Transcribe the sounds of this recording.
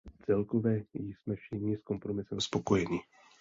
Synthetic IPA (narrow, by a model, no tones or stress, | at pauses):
t͡sɛlkovɛːjɪsmɛfʃɪɲɪsko̞mpɾomɪsɛmspokojɛɲɪ